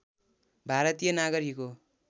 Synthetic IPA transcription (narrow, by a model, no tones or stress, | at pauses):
bʱaɾʌt̪ijʌnaɡʌɾiko